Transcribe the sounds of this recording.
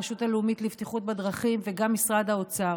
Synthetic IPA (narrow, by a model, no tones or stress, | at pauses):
ʃutaleumit̪livt̪iχut̪̚bad̪ʁaχimveɡamːisʁadaot͡sa